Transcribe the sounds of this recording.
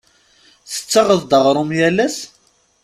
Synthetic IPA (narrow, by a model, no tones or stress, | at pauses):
θə̥t͡sːɑʁəðd̪əʁɾˤʊmjælæs